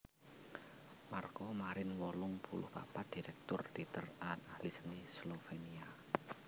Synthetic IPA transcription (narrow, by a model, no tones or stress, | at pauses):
markɔmaɾɪnwɔlʊŋpʰulʊ̰hb̥a̰pad̪̥iɾɛk̚t̪ʊrt̪it̪əralat̪ahlisənislofenia